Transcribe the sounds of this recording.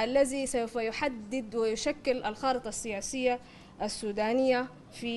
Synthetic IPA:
ʔalːazisawfajʊħad̪ːɪd̪wɪjʊʃakːɪlʔalxɑːɾɨt̪ˤɑsːɪjaːsɪjːa | ʔasːuːd̪aːnɪjːa | fi

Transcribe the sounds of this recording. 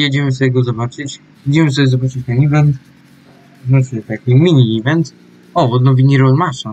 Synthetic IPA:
jɛd͡ʑɛmɘs̬ɔbʲjɛɡɔzɔbat͡ʂɘt͡ɕ | ɛd͡ʑimɘsɔbʲjɛzɔbat͡ʂɘt͡ɕ̪anʲivɛnt̪ | znɔt͡ɕɲɛt̪akʲimʲiɲʲivʲɛnt̪s | ɔɔd̪nɔvʲiɲʲiɾɔlmaʂa

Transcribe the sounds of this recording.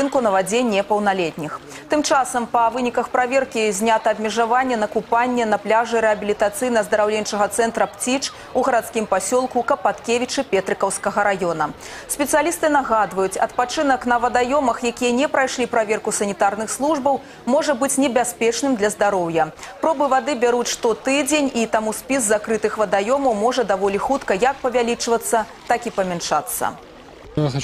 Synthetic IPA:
ɨnkunɐvad͡zʲenʲːɛpɐwnalʲɛt̪ʲnʲix | t̪ɨmt͡ʂasɐmpɐvɨnʲikɐxpɾavʲeɛrkʲizʲnʲat̪ɐːbʲmʲɛʐavanʲːɛnɐkupanʲːɛnɐplʲaʐɨɾɛɐbʲilʲit̪at̪sɨjnɐzd̪ɐɾawlʲent͡ʂɐɣɐt̪sɛnt̪ɾɐpt͡sʲit͡ʂ | uɣɐɾat̪skʲimpasʲɔlˠkukɐpat̪kʲevʲit͡ʂɨpʲɛt̪ɾɨkɐwskɐɣɐɾajɔn̪ɐ | sʲpʲɛt̪sɨjalʲist̪ɨnaɣad̪vɐjut͡sʲɐ̰t̪̚pat͡ʂɨn̪ɐknɐvɐd̪ajɔmɐxjakʲijɐnʲɛpɾajʂlʲipɾavʲɛrkusɐnʲit̪arnɨxslˠuʐbɐw | mɔʐɐbɨt͡sʲnʲɛbʲasʲpʲɛt͡ʂnɨmd̪lʲɐzd̪aɾɔwjɐpɾɔbɨvad̪ɨbʲaɾut͡sʲʂt̪ɔt̪ɨd͡zʲenʲit̪amuspʲizːakɾɨt̪ɨxvɐd̪ajɔmɐwmɔʐɐd̪avɔlʲixut̪kɐjɐk̚pɐvʲalʲit͡ʂvɐt̪sːɐt̪akipɐmʲɛnʂa̰t̪sːɐ̰

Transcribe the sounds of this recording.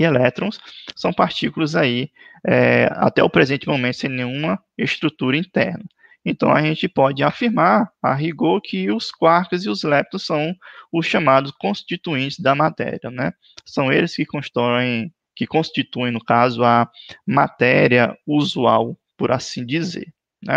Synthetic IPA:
ielɛt̪ɾõssɐ̃w̃paɾt͡ʃikulɐzaiɛa̰t̪ɛ̰ʊpɾezẽnt͡ʃɪmõmẽt̪ʊ̥sẽj̃nẽj̃ũmɐ | est̪ɾut̪uɾɐĩt̪ɛ̰ɾnɐ | ẽt̪ɐ̃w̃aʒẽt͡ʃɪpɔd͡ʒɪafiɾmaɾa̰ɦiɡoɾkʰɪʊskwaɾkɐziʊzlɛp̚t̪õsɐ̃w̃ʊsʃɐ̃mad̪ʊskõst͡ʃit̪uĩnt͡ʃɪzd̪ɐmat̪ɛ̰ɾiɐnɛ | sɐ̃w̃elɪskɪkõʃt̪ɔẽj̃ | kɪkõʃt͡ʃit̪uẽj̃nʊkazʊɐmat̪ɛɾiɐuzuawpʊɾa̰sĩd͡ʒizḛɾ | nɛ̰

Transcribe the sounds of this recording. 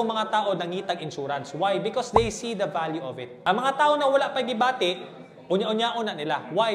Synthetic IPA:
oŋmɐŋat̪aːʔo̞nɐŋiːt̪ɐɡɪnʃuːɾɐnswajbɪkɔsd̪ejsid̪ɐvaljuʔovɪt̪̚ʔɐŋmɐŋat̪aːʔoŋnɐwɐlaʔpɐɡɪbaːt̪ɪʔ | ʔʊɲaʔʊɲaʔunɐnɪlawaj

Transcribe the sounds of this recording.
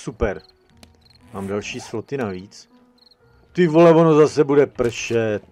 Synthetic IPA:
supɛɾ | maːmdalʃiːsflot̪ɪnaviːt͡s | t̪ɪvolɛvonozasɛbudɛpr̩ʃɛt̪̚

